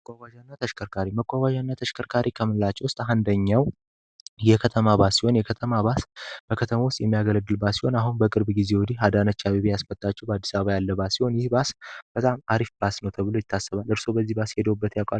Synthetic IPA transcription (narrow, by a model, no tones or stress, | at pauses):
məkʼʷːaɡʷaʒanːat̪ʰəʃkʰəɾkʰaɾiməkʼʷːaɡʷaʒanːat̪ʰəʃkʰəɾkʰaɾʔikʰəmɨnlat͡ʃːɛwʊst̪ʼɦand̪əɲːaw | jɛkʰət̪ʰəmabasiho̞njɛkʰət̪ʰəmabasb̥əkʰət̪ʰəmawʊst̪ʼjɛmːijaɡələɡːɨlbasiho̞naɦunbəkʼɨɾbɡize̞wɔd̪iɦad̪anət͡ʃːaβiβjasmət̪ʼːat͡ʃːɛwbəad̪ːisaβəβajalːəbasiho̞njɪhbasb̥ət̪ʼamaɾifbasnəwt̪ʰəβɨlo̞jɪt̪ʰːasːəβalɨɾso̞bəzːihbashed̪əwubːət̪jakʼal